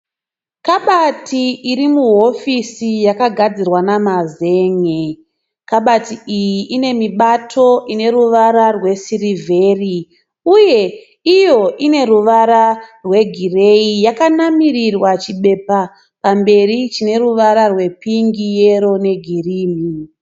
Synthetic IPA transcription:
kaɓatiːɾimuɦo̞fisijakaɡʱad͡zirwanamaze̞ːŋe | kaɓatiijiʔine̞miɓatʰo̞ʔine̞ruʋaɾarwe̞sirivʱe̞ri | uje̞ | ijo̞ʔine̞ruʋaɾarwe̞ɡʱire̞ijakanamirirwat͡ʃiɓe̞pa | pambe̞rit͡ʃine̞ruʋaɾarwe̞piŋɡije̞ɾo̞ne̞ɡʱiriːmi

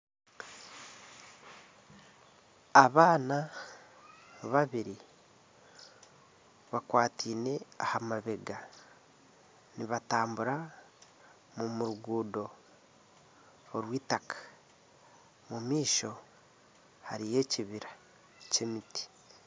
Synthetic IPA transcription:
aβaːna | βaβiɾi | βakwaːtʰiːne̞ahamaβe̞ɡa | niβataːmbuɾa | mumuɾuɡuːdo̞ | ɾwiːtakḁ | mumiːʃo̞ | haɾije̞ːciβiɾa | ce̞miti̥

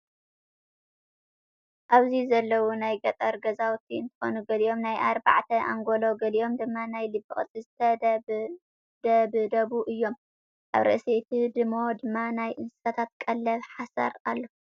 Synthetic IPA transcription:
ʔaβzizɐlːɐwunajɡɐt̪ʼɐɾɡɐzawt̪ʰiɨnt̪ʰɨ̥xo̞̰nuɡɐlijo̞mnajʔaɾba̰ʕt̪ʰɐʔa̰ŋɡo̞lo̞ɡɐlijo̞md̪ɨmːanajlɨbːɨχʼɨt͡sʼɨzt̪ʰɐ | d̪ɐbɨd̪ɐβuʔɨjːo̞m | ʔa̰βɾɨ̰ʔset̪ʰid̪ɨmo̞d̪ɨmːanajʔɨnsɨ̥sat̪ʰat̪kʼɐlːɐβħasɐ̰ɾa̰lːo

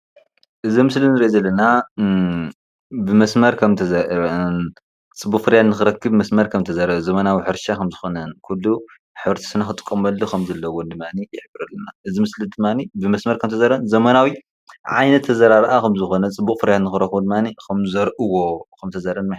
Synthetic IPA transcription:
ʔɨzimɨslinɨɾiʔzɐlːɐna | bɨmɐsmɐɾkʰɐmt̪ʰɐzɐn | t͡sʼɨbːuχʼfɨɾjat̪nɨxɨɾɐkʰːɨbmɐsmɐɾkʰɐmt̪ʰɐzaɾɐβzɐmɐnawiħɨɾʃakʰɐmzɨxonɐnkʰulːu | ħɨβɾt̪ʰi̥sɨnaxɨt̪ʼɨ̥kʼːɐmɐlːokʰɐmzɐlːɐwond̪ɨmːanijɪħɨbɨɾɐlːɐnaʔɨzimɨslid̪ɨmːanibɨmɐsmɐɾkʰɐmt̪ʰɐzaɾɐnzɐmɐnawi | ʕa̰jnɐt̪ʰːɐzɐɾaɾʔakʰɐmzɨxo̞nɐt͡sʼɨbːuχʼfɨɾjat̪nɨxɨɾɐkːbud̪ɨmːanikʰɐmzɐɾʔɨwokʰɐmt̪ʰɐzaɾɐnma

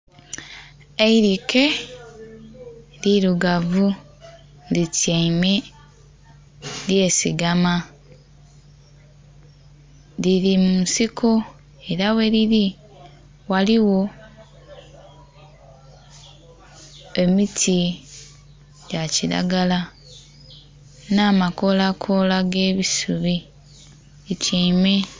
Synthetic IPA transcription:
eiɾike | liɾuɡavu | litieime | liesiɡama | liɾimusikʰo | eɾaweliɾi | waliwo̞ | e̞mitʰi | jaciɾa̰ɡala | naːmako̞lakʰo̞laɡe̞ːβisuβi | iciːme̞

